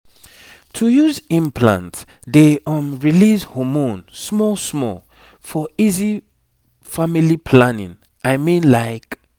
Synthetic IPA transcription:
tʰujuzĩmpʰlã̰nt | deɔ̃mɹilizhɔmõnsmɔlsmɔ̰l | fɔizi | familipʰlãnḭ̃n | ʔaɪmĩnlaɪk

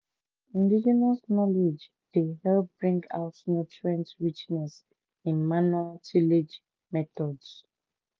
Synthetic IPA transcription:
ĩndid͡ʒɛnasnɔled͡ʒ | d̥ehɛlp̚b̥ɹĩŋɡa̰ʊtnɛt͡ʃɹɛ̃ntɹit͡ʃnɛs | ĩnmanualtʰiled͡ʒ | mɛtɔds

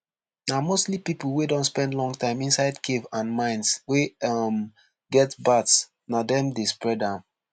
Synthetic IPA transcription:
namostlipipl̩wedɔ̃ntspɛ̃ndlɔ̃ŋtãɪ̃mĩnsaɪdkʰevãnmãɪ̃nswem | ɡɛtbats | nadɛ̃mdespɹɛdãʊ̃n

